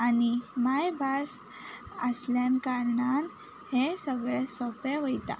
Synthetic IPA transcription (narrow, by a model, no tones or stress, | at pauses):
animajbas | əsljankaɾɳan | hẽsəɡɭesɔpeʋəjt̪a̰